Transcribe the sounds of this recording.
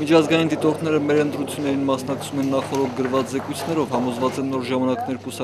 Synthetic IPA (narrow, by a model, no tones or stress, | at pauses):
mit͡ʃʰɑzɡɑjind̪it̪ɔɾt̪ʰnɛɾəmɛɾənt̪ɾut͡sʰjunːɛɾinmɑsnɑkt͡sʰumɛnːɑχɔɾɔk̚ʰɡəɾvɑt͡szɛkujt͡sʰnɛɾɔvhɑmɔzvɑt͡sɛnːɔɾʒɑmɑnɑknɛɾkusɑ